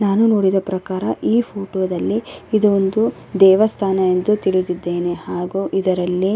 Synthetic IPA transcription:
naːnuno̞ːɽid̪ɐpɾɐkaːɾɐʔiːpʰoːʈoːd̪ɐlːiid̪uond̪u | d̪ɛːʋɐst̪ʰaːnɐend̪ut̪iɭid̪id̪ːe̞ːne̞haːɡuːʔid̪ɐɾɐlːi

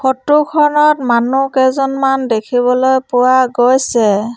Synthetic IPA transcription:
kʰɔtːukʰɔnɔtmanukɛzɔnmandekʰiβɔlojpʊwaɡojsɛ

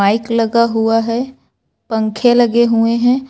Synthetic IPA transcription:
aːɪklɐɡaɦuaɦɛ | pə̃ŋkʰelɐɡeɦueɦɛ̃ː

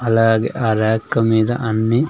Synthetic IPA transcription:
ɐlaːɡḛʔaːɾaːkːɐmiːd̪ɐ̰ʔɐnːi

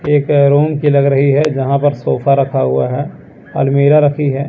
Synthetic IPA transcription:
eːkɾoːmkilɐɡɾɐɦiɦɛd͡ʒɐɦãpɐɾsoːfʰaɾɐkʰaɦʊa̰ɦɛ | ɔ̰ːɾmeːɾaɾɐkʰiɦɛː

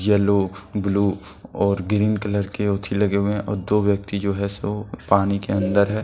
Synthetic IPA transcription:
jɛlobluː | ɔːɾɡɾiːnkələɾkeʊt̪ʰilɐɡeɦʊeɦɛ̃ʔɔːɾd̪oːʋjək̚t̪id͡ʒoːɦɛsopaːnikeɐ̃nd̪əɾɦɛː

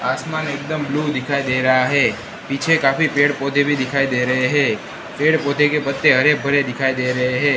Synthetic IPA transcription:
asmanek̚d̪əmblud̪ikʰaid̪eɾəɦaɦe | pit͡ʃʰekafipeɽpot̪ʰebʱid̪ikʰaid̪eɾəɦeɦe | peɽpot̪ʰekepət̪ːeɦəɾebʱəɾed̪ɪkʰaid̪eɾəɦeɦe

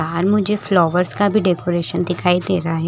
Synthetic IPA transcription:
aːɾmʊd͡ʒʱeflɔːʋəɾskabʱiɖeːkoːɾeːʃənd̪ɪkʰaːid̪eːɾaaɦɛ

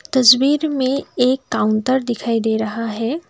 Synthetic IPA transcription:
t̪ɐsbiːɾmẽeːkːaːʊnʈəɾd̪ɪkʰaːid̪eɾɐɦaɦɛː

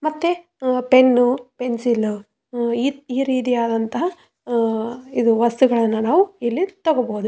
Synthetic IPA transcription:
mɐt̪ːe | pe̞nːupensilu | iiːɾiːt̪̬ijaːd̪ɐnt̪ɐɦɐ | id̪uʋɐst̪uɡɐɭɐnːunaːʋuilːit̪ɐɡoboɦud̪u

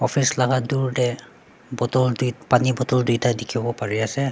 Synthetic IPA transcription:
ɔpʰislaɡaduɹdɛ | bɔtɔldujpanibɔtɔldujtadikʰibɔpaɹiasɛ

